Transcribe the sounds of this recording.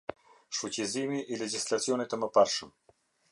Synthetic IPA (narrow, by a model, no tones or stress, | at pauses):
ʃfucizimiʔilɛd͡ʑislʲat͡siɔnit̪əməpaɾʃəm